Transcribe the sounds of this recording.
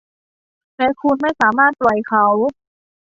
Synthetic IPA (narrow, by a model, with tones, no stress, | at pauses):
lɛː˧˥kʰu˧nma˥˩jsaː˩˦maː˥˩t̪̚plɔ˨˩jkʰa˦˥w